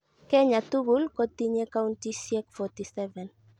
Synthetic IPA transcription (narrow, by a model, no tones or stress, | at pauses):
kɛɲat̪uɣulkot̪iɲekawnt̪isiɛkfɔt̪isɛvɛn